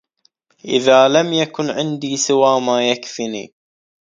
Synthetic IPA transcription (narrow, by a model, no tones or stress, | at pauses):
ʔɪðaːlamjakʊnʕɪnd̪iːsɪwaːmaːjakfɪnḭː